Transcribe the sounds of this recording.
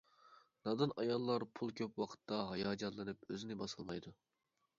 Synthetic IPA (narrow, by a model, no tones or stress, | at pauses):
nɑd̪ɨnɑjɑlˠːɑɾpʰulˠkʲʰøpwɑqʰə̥t̪ːɑɦɑjɑːd͡ʒɑt̪lːˠɨnɨpøzɪnɪbɑsɨlˠmɑjd̪u